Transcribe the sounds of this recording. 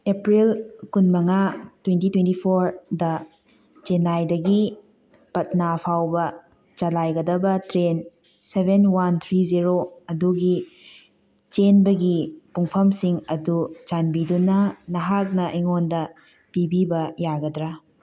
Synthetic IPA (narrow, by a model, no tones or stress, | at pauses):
epɾilkunmɐŋatwentitwentipʰoɾdɐ | t͡ʃenajdɐɡi | pɐt̚napʰawbɐ | t͡ʃɐlajɡɐdɐbɐtɾen | sebʱenwant̪ʰɾiziɾoɐduɡi | t͡ʃenbɐɡipuŋpʰɐmsiŋɐdut͡ʃanbidunɐnɐɦak̚nɐʔijŋondɐ | pibibɐjaɡɐdɾa